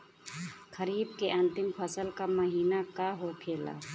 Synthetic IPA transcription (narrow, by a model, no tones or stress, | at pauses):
kʰəɾiːbkeʔə̃nt̪ɪmpʰəsəlkaməɦiːnakaɦopʰeːla̰ː